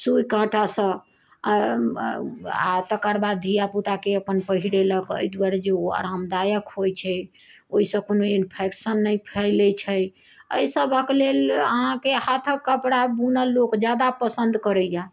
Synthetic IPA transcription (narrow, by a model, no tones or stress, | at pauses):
sujkãʈasə̃ | a̰t̪əkəɾbad̪ʱijaput̪akeəpənpəɦiɾeləkə̰jd̪uwaɾed͡ʒeoa̰ɾamd̪ajəkɦojt͡ʃʰɛ | oisə̃konoinpʰeksənːəjpʰɛlɛt͡ʃʰɛj | ə̰səbʱəklelə̰ɦɦãkehat̪ʰəkːəpɽabunəlːokd͡ʒjad̪apəsə̃nd̪kəɾəja